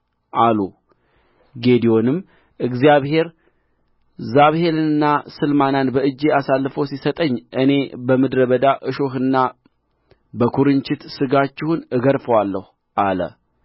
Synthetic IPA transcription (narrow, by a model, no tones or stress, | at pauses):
ʔalu | ɡe̞d̪ijo̞nɨmː | ʔɨɡzijaβhe̞ɾ | zaβhe̞ɾɨnɨnːasɨlmananbəɨd͡ʒːeasalːfəwsisət̪ʼəɲːʔɨne̞bəmɨd̪ɾəβəd̪aʔɨʃoɦɨnːa | bəkʰuɾɨnt͡ʃɪt̪sɨɡat͡ʃːɪhunɨɡəɾfəwalːəhu | ʔalə̰